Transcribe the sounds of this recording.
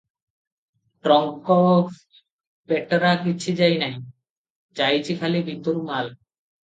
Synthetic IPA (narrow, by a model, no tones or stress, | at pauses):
ʈɾɔŋkɔ | bɛʈːoɾakit͡ɕʰid͡ʑajnaj | d͡ʑajt͡ɕʰikʰalibʱit̪oɾumal